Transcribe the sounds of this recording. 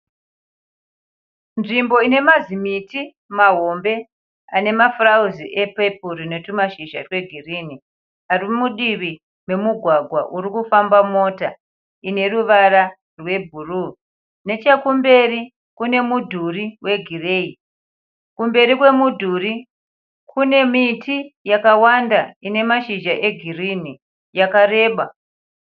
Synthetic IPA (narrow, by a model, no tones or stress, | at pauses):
nʐimbo̞ine̞mazimiti | maɦo̞mbe̞ | ane̞mafrauziʔepepurine̞tumaʃiʒa̰rwe̞ɡʱirini | arimuɗiʋi | me̞muɡʱwaɡʱwaʔuɾikufambamo̞ːta | ine̞ruʋaɾa | rwe̞bʱuru | ne̞t͡ʃekumbe̞ri | kune̞mudʱuriwe̞ɡʱire̞ːi | kumbe̞ɾikwe̞mudʱuri | kʰune̞mitijakawandaine̞maʃiʒaʔe̞ɡʱirini | jakare̞ːɓa